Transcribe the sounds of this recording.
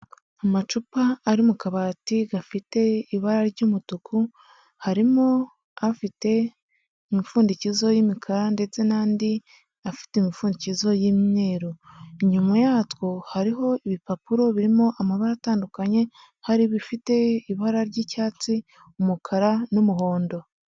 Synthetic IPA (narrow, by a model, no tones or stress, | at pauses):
amat͡ʃupaːɾimukaβaːtiɡafite̞iβaɾaɾɟumutuku | haɾimo | afite̞ | imifuːndicizo̞jimikʰaɾande̞t͡se̞naːndi | afi̥temifuːndicizo̞jimɲe̞ːɾoiɲumajatwohaɾiɦo̞iβipapuɾo̞βiɾimoʔamaβaɾataːndukaɲe̞ | haɾiβifite̞iβaɾaɾɟiːcaːt͡si | umukʰaɾanumuɦo̞ːndo̞